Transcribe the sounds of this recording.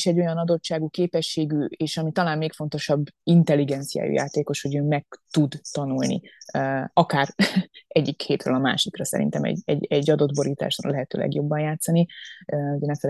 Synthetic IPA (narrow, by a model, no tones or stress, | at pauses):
ʃɛɟːo̞jɒnɒd̪o̞t͡ʃːaːɡukeːpɛʃːeːɡyeːʃɒmit̪ɒlaːnmeːkfo̞nt̪o̞ʃɒbːint̪ɛlːiɡɛnt̪sija̰ːjṵjʔa̰ːt̪eːko̞ʃho̞ɟøːmɛk̚t̪ud̪ːɒnulnḭ | ɒkaːɾɛɟːikheːt̪rø̰ːlɒma̰ːʃikrɒsɛ̰ɾḭnt̪ɛmɛ̰ɟɛ̰ɟɛɟːɒd̪o̞d̪bo̞ɾiːt̪a̰ːʃro̰lɛɦɛt̪ø̰ːlʔɛ̰ɡjo̞bːɒnjaːt̪sɒniuɟɛnɛfɛl